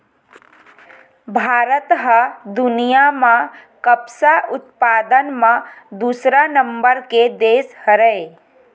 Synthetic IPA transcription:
bʱaːɾət̪ɦəd̪ʊnijamã | kəbsaʔʊt̪paːd̪ənmãd̪uːsɾanə̃mbəɾked̪eːshəɾəe

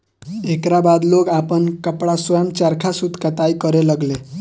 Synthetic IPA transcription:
ekɾabad̪loɡapənkəpɽaswɔjəmt͡ʃaɾkʰasud̪ʱkat̪ajkʌɾeləɡle

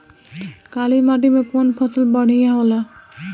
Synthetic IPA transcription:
kalimaɖimekonpʰɔt̪ulbɔɽ̤ijaɦola

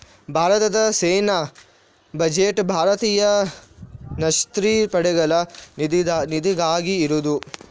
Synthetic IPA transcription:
bʱaːɾɐt̪ɐd̪ɐseːna | bɐd͡ʒeʈbʱaːɾɐt̪iːjɐ | nɐʃt̪ɾipɐɽɛɡɐlɐd̪nid̪iɡaːɡiːɾud̪u

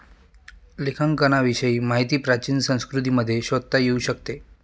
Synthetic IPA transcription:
lekʰaŋkənaʋiɕəiːmaɦit̪iːpɾat͡ɕiːnsə̃w̃skɾut̪̬iːməd̪ʱːjeɕʋət̪̚t̪ːajeuɕəkt̪e

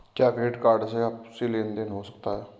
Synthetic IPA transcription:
kjaːkeːʈkaːɾɖseap̚sɪlẽːnd̪enɦoːsə̥k̚t̪aːɦɛː

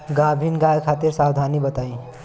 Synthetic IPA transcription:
ɡabʱinɡajkʰat̪iɾsawd̪ʱanibət̪aĩ

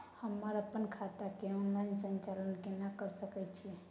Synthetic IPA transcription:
həmːəɾəpːənkʰat̪akeɔnlaɪnsənt͡ʃalənkenakəɾsəkɛt͡ʃʰie

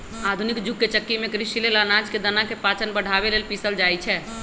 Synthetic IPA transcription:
ad̪ʱunikd͡ʒuɡːet͡ʃəkːimẽkɾiʃilelənad͡ʒked̪ənakepat͡ʃənbəɽ̤ʱaβelelpisəld͡ʒajt͡ʃʰɛ

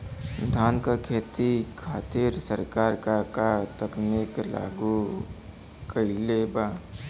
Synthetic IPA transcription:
d̪ʱaːnkakʰeːt̪ikʰaːt̪iɾsəɾkaːɾkakat̪əknɪkla̰ːɡu | kəileːbaː

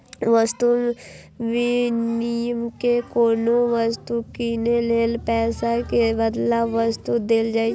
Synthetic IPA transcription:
ʋəst̪u | ʋɪnijəmkekoːnoʋəst̪ukiːneleːlpɛːsakebəd̪laʋəst̪ud̪eld͡ʒaːi

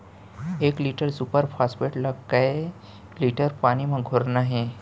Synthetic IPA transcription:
ekliʈəɾsupəɾfʰaspeʈləkːaj | liʈəɾpaɽ̃imə̃ɡʱoɾnaɦe

